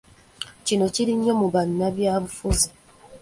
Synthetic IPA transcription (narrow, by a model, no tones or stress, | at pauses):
cino̞ciɾiɲːo̞muβanːaβjaːβufuzi